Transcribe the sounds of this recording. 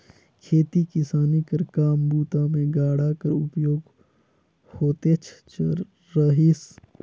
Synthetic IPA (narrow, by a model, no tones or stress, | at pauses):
kʰeːt̪ikɪsaːnikɐɾkaːmbuːt̪amẽɡaːɽakəɾʊpjoːɡ | hoːt̪eːt͡ʃʰt͡ʃʰː | əɦis